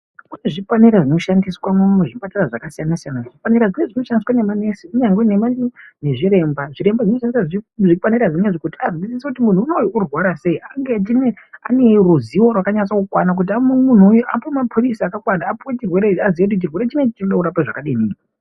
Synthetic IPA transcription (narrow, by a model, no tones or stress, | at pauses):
kuneʐifaniɾaʐino̞ʃandiswamumneʐipataraʐakasijanasijanaʐifaniɾaʐine̞ʐino̞ʃandiswanemanesiuɲaŋɡwene̞mandione̞ʐiɾe̞mbaʐiɾe̞mbaʐino̞ʃandisaʐiufaniɾaʐineʐikutiaziit͡sisekutimun̤uːnojourwaɾase̞iaŋɡet͡ʃ̬ine | a̰ne̞ruziwo̞rwakaɲat͡swakukwanak̬ut̬iamumun̤uːjuʔapomapʰurisaːkakwanaːpuwet͡ʃirwe̞ɾeaziʋeut̬iut͡ʃirwe̞ɾe̞t͡ʃinet͡ʃit͡ʃinoɗauɾapaʐakaɗiniːn